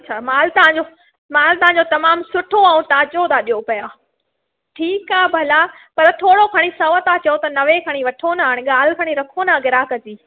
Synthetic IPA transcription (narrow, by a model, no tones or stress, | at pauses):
ɐtːt͡ɕʰaːmaːlt̪ɐʋãɲ̆d͡ʑo | maːlt̪ɐʋɦãɲd͡ʑot̪ɐmaːmsʊʈʰoaũt̪aːd͡ʑot̪ʰaɗijopɐjaː | ʈʰiːkaːbʱɐla | pɐɾt̪ʰoːɽokʰɐɽ̃isɐʋət̪at͡ɕɐjot̪ɐnɐʋekʰɐɽ̃iʋɐʈʰonaaːɪɽ̃ɠaːlkʰɐɽ̃iɾɐkʰonaɡɪɾaːkɐd͡ʑiː